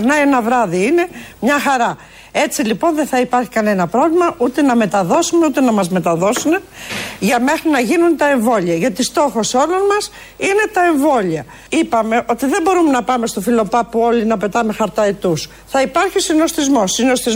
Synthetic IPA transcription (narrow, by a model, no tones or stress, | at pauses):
ɾnɐienɐvɾɐðiine̞mɲɐxɐɾɐ | e̞t͡silipo̞nðeθɐipɐɾçi̥kɐne̞nɐpɾo̞vlimɐʔut̪e̞nɐme̞t̪ɐðo̞sumeut̪e̞nɐmɐzme̞t̪ɐðo̞sune̞ʝɐme̞xɾinɐʝinunt̪ɐe̞ɱvo̞ʎiɐʝɐt̪ist̪o̞xo̞so̞lo̞nmɐs | ine̞t̪ɐe̞ɱvo̞liɐ | ipɐme̞ʔo̞t̪iðembo̞ɾumenɐpɐme̞st̪o̞filo̞pɐpuo̞linɐpe̞t̪ɐmexɐɾt̪ɐet̪us | θɐipɐɾçisino̞sθizmo̞sino̞sθiz